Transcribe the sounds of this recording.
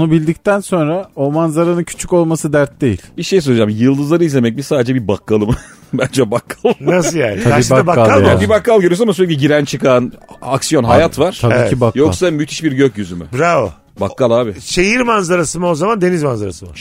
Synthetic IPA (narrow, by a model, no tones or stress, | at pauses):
nubilʲd̪ict̪ænso̞nɾao̞manzaɾanɯncʰy̥t͡ʃʰyco̞lˠmasɯd̪æɾt̪̚d̪e̞jilʲbiʃejs̬ølʲˠd͡ʒamjɯlˠd̪ɯzlˠaɾɯizlʲemɛc̚misaːd̪ed͡ʒɛbibakʰːalˠɯmɯ | bænd͡ʒɛbakʰːḁlˠnasɯjaːnabaabakːalˠbibakːalˠɡʲøɾyjos̬namsyɾlʲɛkc̬iɟiɾænt͡ʃʰɯkʰanaksijo̞nɦajat̪vaɾ̥ʰaeiɛibakjo̞ksamyt̪ʰi̥ʃbiɾɟøcjyzymy̰bɾav | bakːalˠaːbiʃejiɾmanzaɾasɯmaozamand̪e̞nizmanzaɾa̰sɯma